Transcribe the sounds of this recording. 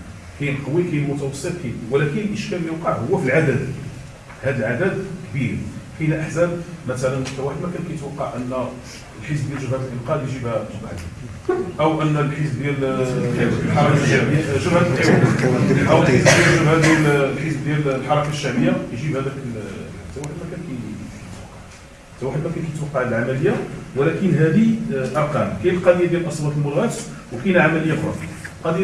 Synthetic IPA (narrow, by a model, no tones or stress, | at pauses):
kæjnqɑwikæjnmʊt̪æwɑsˤːət̪kæjwlækənəlʔəʃkæljəwqɑʕhʊwːæfilʕad̪æd̪ | hæd̪əlʕad̪æd̪kbiɾħinæʔəħzæbmæt̪ælænmʊt̪æwaħəd̪mækænkæjət̪wɑqːɑʕʔənːæ | lħəs̬bd̪jælʒəbhæd̪əlʔəqɑd̪jʒibhæbaʕd̪ | ʔəwʔənːlħəsb̚d̪jæl | ilħɑɾˤɑkaæmʒəbhæd̪iwæʔəwəlħisbd̪jælʒəbhæd̪illħisbd̪jællħɑɾˤɑkaʃːæməjːajʒibhæd̪ækəlæt̪ːæwaħəd̪mækænkæət̪wɑqːɑʕ | t̪æwaħəd̪mækænkæjət̪wɑqːɑʕd̪əlʕamæləjːawəlækənɦæd̪iʔɑɾˤqɑmkæjəlqɑd̪əjad̪jælʔɑsˤwɑt̪əlmʊd̪ɣæt̪wkænæʕamæləjːafɾɑf | qɑd̪